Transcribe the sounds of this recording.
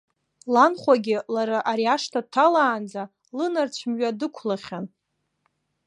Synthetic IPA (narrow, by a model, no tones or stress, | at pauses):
lanχʷaɡʲɪlaɾaʔaɾiaʂtʰatʰalaːnd͡za | lɨnart͡ɕʷʰmɥadɨkʷʰlaχʲan